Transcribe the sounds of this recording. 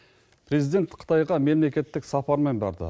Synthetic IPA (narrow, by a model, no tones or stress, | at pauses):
pʰɾe̞zijd̪e̞t̪qʰə̥t̪ɑjʁɑme̞mle̞kʲe̞t̪ːɪksɑpɑɾme̞nbɑ̰ɾd̪ə̰